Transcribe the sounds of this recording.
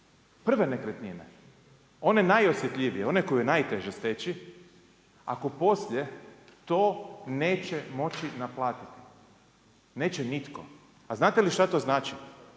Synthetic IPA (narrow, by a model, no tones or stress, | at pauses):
pr̩ʋenekɾet̪nine | o̞nenajo̞sjet̪ʎʲiʋijeo̞neko̞jujenajt̪eʒest̪et͡ɕi | a̰ko̞po̞sʎʲet̪oːne̞ːt͡ɕemo̞t͡ɕinaplˠaːt̪it̪i̥ | ne̞ːt͡ɕenit̪ko̞̰ | aznaːt̪eliʃt̪at̪o̞ːznaːt͡ʃi